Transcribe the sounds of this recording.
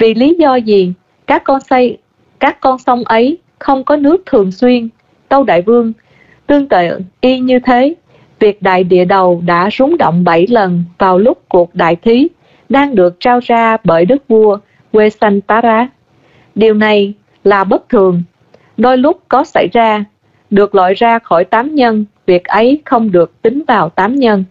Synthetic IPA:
vi˨˩li˨˦zɔ˧zi˨˩ | kaː˦˥kːɔ˧n˧ | kaː˦˥kːɔ˧nsə˨˧˦wŋ͡mʔə˨˦j | xə˧wŋ͡mkɔ˨˦nɨ˦˥ək̚t̪ʰɨ˨˩əŋswi˧ən | t̪ə˧wɗa̰ː˧˨jvɨ˧əŋ | t̪ɨ˧əŋt̪ə̰˧˨ʔi˧ɲɨ˧t̪ʰe˨˦ | vi˨˩ək̚ɗa̰ː˧˨jɗḭ˧˨əɗə˨˩wɗa̰ː˧˥zʊ˨˦ŋ͡mɗo̰˧˨wŋ͡mɓə˧˩jlə˨˩nvaː˨˩wlʊ˦˥k͡p̚ku˨˩ək̚ɗa̰ː˧˨jt̪ʰwi˨˦ | ɗaː˧ŋɗɨ˨˩ək̚t͡ɕaː˧wzaː˧ɓəː˧˩jɗɨ˦˥k̚vu˧ə | ɣwe˧sa˧ŋt̪aː˧˦zaː˨˧˥ | ɗi˨˩əwna˨˩j | laː˨˩ɓə˦˥t̚t̪ʰɨ˨˩əŋ | ɗo˧jlʊ˦˥k͡p̚kɔ˨˦sa̰˧˩jzaː˧ | ɗɨ˨˩ək̚lwa̰ː˧˨jzaː˧xɔ˧˩jt̪aː˨˦mɲə˧nvi˨˩ək̚ʔə˨˦jxə˧wŋ͡mɗɨ˨˩ək̚t̪ï˨˦ŋ̟vaː˨˩wt̪aː˨˦mɲə˧n

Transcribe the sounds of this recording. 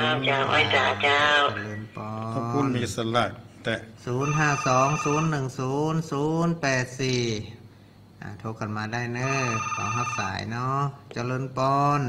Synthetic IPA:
a˧t͡ɕaː˧˩wʔa̰˧˩jsaː˨˧˦t͡ɕaː˧wa˧lɤː˧˩npɔː˧uː˧˨nmiː˧ʔsa˧laː˧˩t̪̚ | t̪ɛ˧˩suː˨˩˦nɦaː˥˩sɔː˨˦ŋsuː˨˦nːɯ˨˩ŋsuː˨˦nsuː˨˦npɛː˨˩t̪̚siː˨˩ | ʔa̰ː˧˩t̪ʰoː˧ka˧˩nmaː˨˧da˧˥˩jnɤː˧˥˩kʰa̰˨˧˦wɦa˧˥p̚sa̰ː˩˦jnɔ˧˥˩t͡ɕa˧lɤː˧˥npɔː˧n

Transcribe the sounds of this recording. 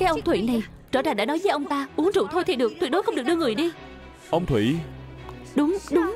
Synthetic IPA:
kaː˨˦jʔə˧wŋ͡mt̪ʰwḭ˧˨na˨˩j | t͡ɕəː˧˩zaː˨˩ɗaː˧˥nɔ˨˦jvəː˨˦jʔə˧wŋ͡mt̪aː˧ʔu˨˦əŋzṵ˧˨wt̪ʰo˧jt̪ʰi˨˩ɗɨ˨˩ək̚t̪wk̚ɗo˨˦jxə˧wŋ͡mɗɨ˨˩əkɗɨ˧əŋɨ˨˩əjɗi˧ | ʔə˧wŋ͡mt̪ʰwḭ˧˨ | ɗʊ˨˦ŋ͡mɗʊ˨˦ŋ͡m

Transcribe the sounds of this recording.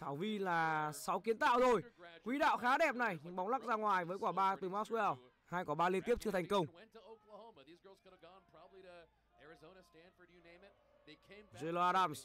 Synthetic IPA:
t̪ʰaː˧˩wvi˧laː˨˩sa˨˦wki˨˦ənt̪a̰ː˧˨wzʰo˧˩jkwi˨˦ɗa̰ː˧˨wxaː˨˦ɗɛ˨˩p̚na˨˩jɓa˨˦wŋ͡mla˦˥k̚zaː˧ŋwaː˨˩jvəː˨˦jkwaː˧˩ɓaː˧t̪ɨ˨˩maː˦˥tsɛ˧l | haː˧jkɔ˧˩ɓaː˧li˧ənt̪i˦˥əp̚t͡ɕɨ˧t̪ʰa˨˩ŋ̟kə˧wŋ͡mwɛ̃ntʰəoʊklhõʊ̃mðizɡɜ˞lˠzɡʌnəɡɔ̃npʰɹ̥ɑbəbliɾɨ | ɛɹɨzõʊnɨstæ̃nd̥fə˞ɨnẽɪ̃mɪt̚ | ðekʰẽɪ̃ze˧lo˧aː˧ɗaː˧ms

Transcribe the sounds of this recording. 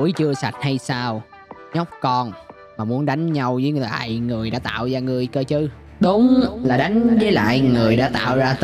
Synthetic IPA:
əjt͡ɕɨ˧əsa˨˩t̟̚ha˧jsaː˧w | ɲə˦˥k͡p̚kɔ˧n | maː˨˩mu˨˦ənɗa˨˦jŋ̟ɲa˧wzəː˨˦jla̰ː˧˨jŋɨ˨˩əjɗa̰ː˧˥t̪a̰ː˧˨wzaː˧ŋɨ˨˩əjkəː˧t͡ɕɨ˧ | ɗʊ˨˦ŋ͡mlaː˨˩ɗa˨˦jŋ̟zəː˨˦jla̰ː˧˨jŋɨ˨˩əjɗa̰ː˧˥t̪a̰ː˧˨wzaː˧t̪

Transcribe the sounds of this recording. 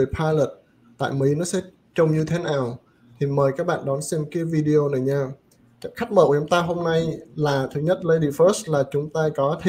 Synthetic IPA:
pʰaː˧jlə˨˩t̚ | t̪a̰ː˧˨jmi˨˦jnɔ˨˦sɛ̰˧˥ | t͡ɕə˧wŋ͡mɲɨ˧t̪ʰe˨˦naː˨˩w | t̪ʰi˨˩məː˨˩jkaː˦˥k̚ɓa̰ː˧˨ɗɔ˨˦nsɛ˧mka˨˦vi˧ɗi˧ʔo˧na˨˩jɲaː˧˥ | xa˦˥k̚mə̰ː˧˩kːʊ˨˦ŋ͡mt̪aː˧ɦo˧mna˧jlaː˨˩t̪ʰɨ˨˦ɲə˦˥t̚lə˧jɗi˧fəː˦˥s̚laː˨˩t͡ɕʊ˨˦ŋ͡mt̪aː˧kɔ˨˦t̪ʰ

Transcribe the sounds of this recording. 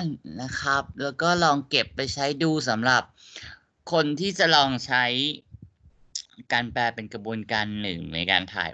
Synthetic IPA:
nna˦˥kʰa˦˥p̚lɛː˦˥wkɔː˥˩lɔː˧ŋke˨˩pːa˧jt͡ɕʰa˦˥jduː˧sa˩˦mɾa˨˩p̚ | kʰo˧nt̪ʰiː˥˩t͡ɕa˨˩lɔː˧ŋt͡ɕʰa˦˥j | kaː˧nplɛː˧pe˧nkɾa˧bu˧ənkaː˧nːɯ˨˩ŋna̰˧jka̰ː˧nt̪ʰa̰ː˨˩j

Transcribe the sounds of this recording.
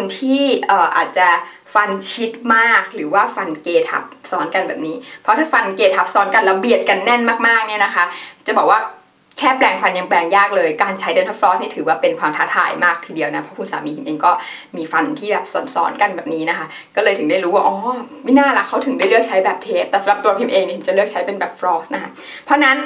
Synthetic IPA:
kʰu˧nt̪ʰiː˥˩ʔɤː˨˩ʔa̰ː˨˩t̪̚t͡ɕa˨˩ | fa˧nt͡ɕʰi˦˥t̪̚maː˥˩k̚ɾɯː˩˦waː˥˩fa˧nkeː˧t̪ʰa̰˨˩p̚sɔː˦˥nka˧nbɛ̰ː˨˩p̚niː˦˥pʰɔ˦˥t̪ʰaː˥˩fa˧nkeː˧t̪ʰa˦˥p̚sɔː˨˦˥nka˧nla˧bi˨˩ət̪̚ka˧nːɛ˥˩nmaː˥˩k̚maː˥˩k̚ni˥˩ɐna˦˥kʰa˦˥t͡ɕa˨˩bɔː˨˩k̚waː˥˩ | kʰɛː˥˩plɛː˧ŋfa˧nja˧ŋplɛː˧ŋjaː˥˩k̚lɤː˧jkaː˧nt͡ɕʰa˦˥jde˧nt̪ʰa˦˥pfɾɔː˦˥ni˥˩t̪ʰɯː˩˦waː˥˩pe˧nkʰwaː˧mt̪ʰaː˦˥t̪ʰa̰ː˨˩˦jmaː˥˩k̚t̪ʰiː˧di˨˧əwna˦˥pʰɔ˦˥kʰu˧nsa̰ː˩˦miː˧pʰi˧mʔeː˧ŋkɔː˥˩ | miː˧fa˧nt̪ʰiː˥˩bɛː˨˩p̚sɔ̰˨˩˦nsɔ̰ː˨˦˥nka˧nbɛː˨˩p̚niː˦˥na˦˥kʰa˦˥ | kɔː˥˩lɤː˧jt̪ɯ˨˩˦ŋdaː˥˩jɾuː˦˥waː˥˩ʔɔː˧˦˩ma˥˩jnaː˥˩la˨˩kʰa˦˥wt̪ʰɯ˨˩˦ŋdaː˥˩jɾɯ˥˩ək̚t͡ɕʰa˦˥jbɛː˨˩p̚t̪ʰeː˦˥p̚t̪ɛː˨˩sa˨˦mla˨˩pt̪u˧ɐpʰi˧mʔeː˧ŋi˧˩t̪ʰɯ˩˦t͡ɕa˨˩ɾɯ˥˩ək̚t͡ɕʰa˦˥jpe˧nbɛː˨˩p̚fɾɔː˦˥sna˦˥kʰa˦˥pʰɔ˦˥na˦˥n

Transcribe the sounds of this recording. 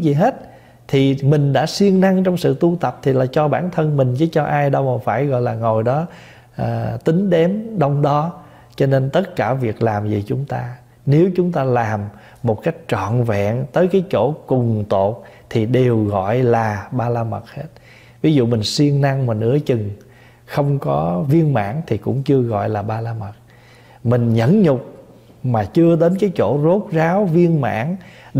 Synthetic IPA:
zi˨˩ɦe˦˥t̚ | t̪ʰi˨˩mï˨˩ŋ̟ɗa̰ː˧˥swi˧əŋna˧ŋt͡ɕɔ˧wŋ͡msɨ̰˧˨t̪u˧t̪ə˨˩p̚t̪ʰi˨˩laː˨˩t͡ɕɔ˧ɓaː˧˩nt̪ʰə˧nmï˨˩ŋ̟t͡ɕɨ̰˨˦t͡ɕɔ˧ʔaː˧jɗə˧wfaː˧˩jɣɔ̰˧˨jlaː˨˩ŋo˨˩jɗɔ˨˦ | ʔt̪ï˨˦ŋ̟ɗɛ˨˦mɗə˧wŋ͡mɗɔ˨˦ | t͡ɕɔ˧ne˧nt̪ə˦˥t̚kaː˧˩vi˨˩ək̚laː˨˩mzi˨˩t͡ɕʊ˨˦ŋ͡mt̪aː˧ | ne˨˦wt͡ɕʊ˨˦ŋ͡mt̪aː˧laː˨˩mː | o˨˩t̚ka˦˥jk̟̚t͡ɕɔ̰˧˨nvɛ̰˧˨nt̪əː˨˦jkaː˨˦jt͡ɕo˧˩kʊ˨˩ŋ͡mt̪o̰˧˨t̚t̪ʰi˨˩ɗe˨˩wɣɔ̰˧˨jlaː˨˩ɓaː˧laː˧mə˨˩t̚he˦˥t̚ | vi˨˦zṵ˧˨mï˨˩ŋ̟swi˧əŋna˧ŋmaː˨˩nɨ̰˧˥ət͡ɕɨ˨˩ŋ | xə˧wŋ͡mkɔ˨˦vi˧ənma̰ː˧˥ŋt̪ʰi˨˩kʊ̰˧˥ŋ͡mt͡ɕɨ˧əɣɔ̰˧˨jlaː˨˩ɓaː˧laː˧mə˨˩t̚ | mï˨˩ŋ̟ɲə̰˧˥nɲʊ˨˩k͡p̚ | maː˨˩t͡ɕɨ˧əɗ̪e˨˦nkaː˨˦jt͡ɕo̰˧˩zo˦˥t̚zaː˨˦wvi˧ənma̰ː˧˥ŋ

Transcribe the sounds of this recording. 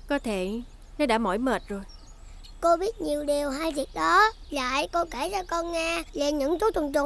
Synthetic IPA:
kɔ˨˦t̪ʰe˧˩ | nɔ˨˦ɗa̰ː˧˥mɔ̰˧˩˥jməː˨˩t̚zo˨˩j | ko˧ɓi˦˥ət̚ɲi˨˩əwɗi˨˩əwɦaː˧jvi˨˩ək̚ɗɔ˨˦la̰ː˧˨jko˧ke˧˩t͡ɕɔ˧kɔ˧nŋaː˧le˧˩nɲɨ̰˧˥ŋt͡ɕ̪u˨˦t̪ə˨˩ŋ͡mt͡ɕʊ̰˨˧˩

